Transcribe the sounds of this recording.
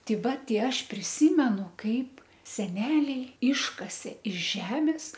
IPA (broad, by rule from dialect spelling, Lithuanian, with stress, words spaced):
ˈtʲɛɪ ˈʋɐ ˈtʲɛɪ ˈɐʃ pʲrʲɪˈsʲiːmʲɛnʊ ˈkɐɪp sʲɛˈnʲæːlʲɛɪ ˈɪʃkɐsʲeː ɪʃ ˈʒʲæːmʲɪs